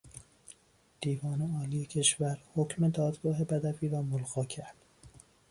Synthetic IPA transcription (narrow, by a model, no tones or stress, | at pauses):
d̪̥iːvɒːneɒːliːjecʰe̞ʃvæɾhocʰme̞d̪ɒːd̪ɡɒːɦe̞bæd̪æfiːɾɒːmolɣɒːcʰæɾd̪̥